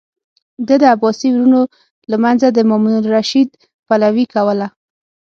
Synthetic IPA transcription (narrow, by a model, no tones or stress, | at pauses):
d̪əd̪əabɑsiwɾuno | lamanzad̪əmɔmunʊlɾaʃid̪ | palawikawəla